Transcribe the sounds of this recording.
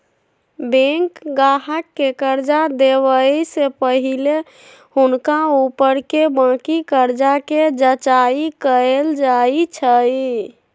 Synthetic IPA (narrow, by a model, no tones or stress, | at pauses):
bẽŋkɡaɦəkːekəɾd͡ʒad̪eʋəisepəɦile | hunkaupəɾkebãkikəɾd͡ʒaked͡ʒət͡ʃaikəeld͡ʒait͡ʃʰəj